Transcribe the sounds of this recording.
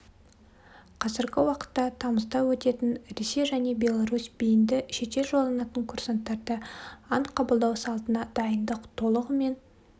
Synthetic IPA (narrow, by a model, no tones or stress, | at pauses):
qʰɑzɪɾɡʲɪwɑqə̥t̪ːɑt̪ʰɑməzd̪ɑwɵt̪e̞t̪ɪnɾe̞se̞jʒæne̞bʲe̞lˠaɾusbijɪnd̪ɪʃe̞t̪e̞lʒolˠɑnɑt̪əŋkʰʊrsant̪ːɑɾd̪əɑnqʰɑbəlˠd̪ɑwsɑlˠt̪ənɑd̪̥ɑjənd̪əqt̪ʰo̞lˠəʁəme̞n